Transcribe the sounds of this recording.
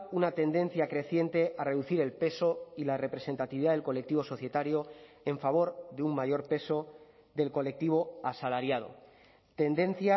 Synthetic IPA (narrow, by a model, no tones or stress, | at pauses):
unat̪e̞nd̪e̞n̟θjakɾe̞θje̞nt̪e̞ʔare̞ðuθiɾe̞lpe̞so̞ilare̞pɾe̞se̞nt̪at̪iβiðaðelko̞le̞k̚t̪iβ̞o̞so̞θje̞t̪aɾjo | e̞ɱfaβ̞o̞ɾðeummaʝo̞ɾpe̞so̞ | ðe̞lko̞le̞k̚t̪iβ̞o̞asalaɾjaðo̞̰ | t̪e̞nd̪e̞n̟θja